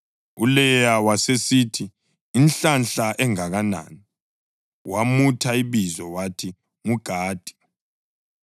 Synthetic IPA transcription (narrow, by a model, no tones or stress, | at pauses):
ulɛjawasesitʰiː | nɬanɬaʔɛŋaɣana̰ːni | wamutʰaiβizɔwatʰi | ŋuɡ̥ʱaːd̥ʱi̥